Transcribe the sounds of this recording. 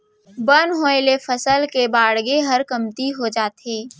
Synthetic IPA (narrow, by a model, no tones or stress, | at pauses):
bənɦoelefɐsəlkebaːɽɡeɦɐɾkɐmt̪iɦod͡ʒaːt̪eː